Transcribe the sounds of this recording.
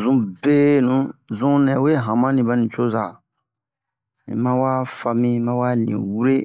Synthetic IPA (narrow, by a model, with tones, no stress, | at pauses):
zũ˦be˦nũ˨˦zũ˦nɛ̃˨we˦ɦã˨mã˦nĩ˨ba˦nĩ˨t͡ʃo˦za˨ | ḭ̃˨mã˦wa˦fa˨mĩ˦mã˦wa˦nḭ̃˨wu˦ɾe˦